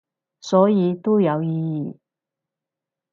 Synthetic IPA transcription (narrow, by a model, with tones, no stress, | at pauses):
sɔː˨˥jiː˨˧t̪o˥jɐ˨˧wjiː˧jiː˨˩